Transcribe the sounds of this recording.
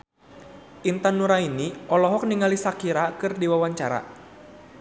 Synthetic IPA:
ʔint̪anːuɾainiɔlɔɦɔk̚niŋalisakiɾakɨrdiwawaɲt͡ʃaɾa̰

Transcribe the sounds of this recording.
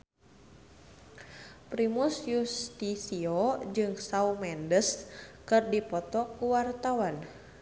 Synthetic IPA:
pɾimusjust̪isiod͡ʒɨŋsaumɛndəskɨrdipɔt̪ɔkuwart̪awan

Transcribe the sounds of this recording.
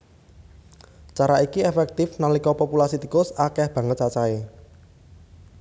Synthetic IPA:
t͡ʃaɾaikiefɛk̚t̪ɪfnalikɔpɔpulasit̪ikʊsakɛhb̥ä̤ŋət̪̚t͡ʃat͡ʃae

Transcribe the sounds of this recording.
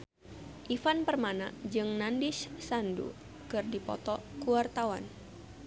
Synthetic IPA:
ʔifanpərmana̰d͡ʒɨŋnandɪssandṵ | kɨrdipɔ̰t̪ɔkuwart̪awan

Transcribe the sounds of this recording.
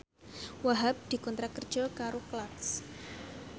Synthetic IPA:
waɦap̚d̪̥i̤kɔnt̪ɾakərd̥d͡ʒɔkaɾoklat̪s

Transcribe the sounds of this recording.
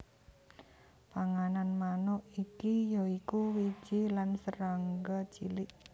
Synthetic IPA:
paŋananmanɔʔikijɔikuwi̥d͡ʒ̥ilansəɾaŋɡat͡ʃḭlɪʔ

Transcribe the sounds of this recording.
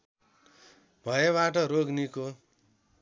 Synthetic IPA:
bʱʌjeβaʈ̬ʌɾoɡniko

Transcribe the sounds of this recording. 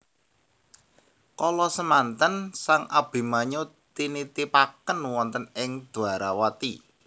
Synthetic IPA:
kɔlɔsəmant̪ənsaŋʔab̥i̤maɲut̪init̪ipakənwɔnt̪ənɪŋd̪̥ṳaɾawat̪i

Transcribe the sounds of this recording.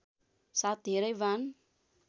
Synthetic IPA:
sad̪eɾajvan

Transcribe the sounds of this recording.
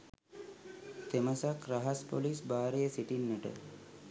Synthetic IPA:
t̪eməsakɾaɦaspolisbaːɾejəsiʈinːəʈə̰

